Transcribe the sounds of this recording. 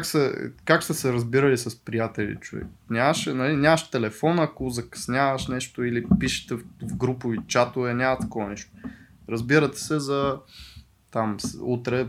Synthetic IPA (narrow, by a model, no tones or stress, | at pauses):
aksɐkaksɐsɛɾɐzbiɾɐlisɐspɾijat̪ɛlḭt͡ʃovɛ̰knʲamɐʃɛnɐlinʲamɐʃt̪ɛlɛfɔnɐkozɐkɐ̥snʲavɐʃnɛʃt̪oilipiʃɛ̥t̪ɛvɡɾupʊvit͡ʃat̪ʊvɛnʲamɐt̪ɐ̥kɔvɐnɛʃt̪o̥ | ɾɐzbiɾɐt̪ɛ̥sɛzɐ | t̪amsut̪ɾɛ